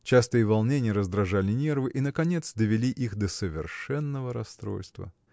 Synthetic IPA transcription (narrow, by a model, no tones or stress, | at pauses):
t͡ɕast̪ɨjəvɐlˠnʲenʲɪjəɾəzd̪ɾɐʐalʲɪnʲe̞rvɨʔinəkɐnʲe̞t̪sd̪əvʲɪlʲiʔixd̪əsəvʲɪ̰rʂɛnːəvəɾɐst̪ɾo̞̰lʲst̪və̰